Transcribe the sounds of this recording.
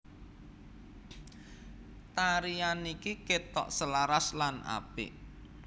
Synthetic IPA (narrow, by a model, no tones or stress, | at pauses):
t̪aɾianikiket̪ɔ̰ʔsəlaɾaslana̰pɪ̰ʔ